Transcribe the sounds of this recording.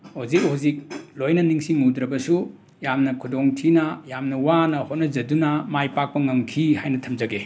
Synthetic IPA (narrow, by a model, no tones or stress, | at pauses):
huzik̚huzik̚lojnɐniŋsimudɾɐbɐsu | jamnɐkʰudoŋtʰinɐjamnɐwanɐhot̚nɐzɐdunɐmajpak̚pɐŋɐmkʰihajnɐtʰɐmd͡ʒɐɡe